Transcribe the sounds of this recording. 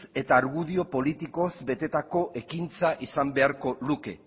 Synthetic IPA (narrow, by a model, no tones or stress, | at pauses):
e̞t̪aːɾɣuðio̞po̞lit̪iko̞zbe̞t̪e̞t̪ako̞ʔe̞kint͡saʔisambe̞aɾko̞luke̞